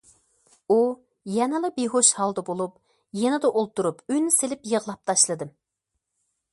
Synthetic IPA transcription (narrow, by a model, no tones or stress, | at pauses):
u | jɛnɨlˠɨbeɦoʃhɑlˠd̪ɑbolˠup | jenɨd̪ɛʔolˠt̪uɾupynselɪpjəʁlˠɑp̚t̪ʰɑʃlˠɨd̪ɨm